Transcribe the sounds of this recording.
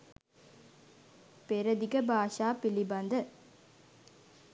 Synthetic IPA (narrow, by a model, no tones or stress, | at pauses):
peɾɐd̪iɡɐbʱaːʂaːpilibɐnd̪ə